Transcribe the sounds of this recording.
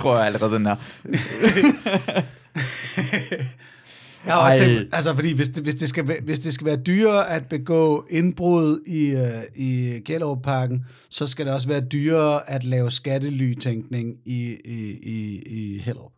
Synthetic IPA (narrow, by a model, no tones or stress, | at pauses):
t͡sʰʁo̝ɐ̰jäælʁɛːð̩ˠd̥enæɐ | jɑhɑ̈ɒst͡sʰeæls̬əfɒ̽d̥ḭːʋe̝sd̥eʋe̝sd̥e̝sɡ̥æʋʋe̝sd̥e̝s̬ɡ̥æʋæːɐd̥yːɐːæd̥̚b̥e̝ɡ̥ɔ̰̽ːe̝nb̥ʁoð̞̩ˠiiɡ̥el̰ɒʊpʰɑ̈ːɡ̥n̩ | sɒ̽s̬ɡ̥æɾ̥e̝ɒ̽s̬ʋæːɐd̥yːɐʔæd̥lɛːʊsɡ̥ædəly̰ːt͡sʰeŋɡ̥ne̝ŋi | iihel̰ɒ